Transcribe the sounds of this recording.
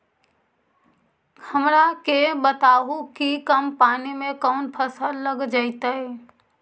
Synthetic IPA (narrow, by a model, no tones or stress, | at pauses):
ɡʰəmɾakebət̪aːɦukikəmpaːnimẽkɔːnpʰəsəlːəɡd͡ʒait̪aɛ